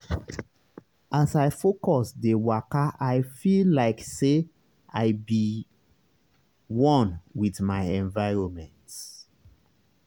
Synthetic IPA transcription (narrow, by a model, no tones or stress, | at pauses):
asaɪfokɔsdewakaʔaɪfillaɪkse | aɪbi | wɔ̃nwiðmaɪɛ̃ɱvaɪɹɔ̃nmɛ̃nt